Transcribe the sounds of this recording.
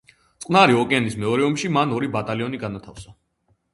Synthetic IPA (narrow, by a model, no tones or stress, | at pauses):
t̪sʼqʼnaɾiɔkʼɛanismɛɔɾɛɔmʃimanɔɾibat̪ʼaliɔniɡanat̪ʰafsa